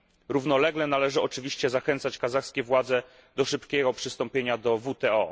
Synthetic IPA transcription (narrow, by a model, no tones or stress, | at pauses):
ɾuvnɔlɛɡlɛnalɛʐɘɔt͡ʂɘvʲiɕt͡ɕɛzaxɛnt̪sat͡ɕkazaxskʲɛvwad̪zɛ | d̪ɔʂɘpkʲɛɡɔpʂɘst̪ɔmpʲjeɲad̪ɔvut̪ɛɔ